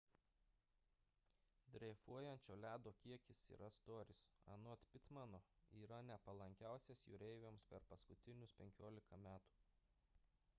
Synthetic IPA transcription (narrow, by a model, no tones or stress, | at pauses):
d̪ʲɾʲɛfuɔjɛnʲt͡ʃʲoːlʲæːd̪oːkʲiɛkʲɪsḭːɾʔɐst̪oːɾʲɪsɐ̰not̪ʲpʲɪt̪mɐnoːiːɾɐnʲɛpɐlˠɐŋʲkʲæˑʊsʲeːsjṵːɾʲɛɪʋʲeːmspʲɛɾpɐskʊt̪ʲɪnʲʊspʲɛŋʲkʲoːlʲɪkɐmʲæːt̪u̥ː